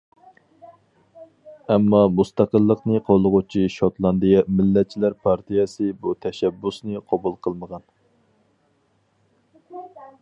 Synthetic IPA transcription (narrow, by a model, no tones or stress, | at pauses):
ɛmːɑmust̪ɑqəlˠːəqnɨqʰolˠʊʁʊt͡ʃʰiʃot̪lˠɑnd̪ijɛmɪlːɛt̪̚t͡ʃʰilæɾpʰɑɾt̪ʰijɛsɨbut̪ʰɛʃɛbːusnɨqʰɑbulˠqʰəlˠməʁɑn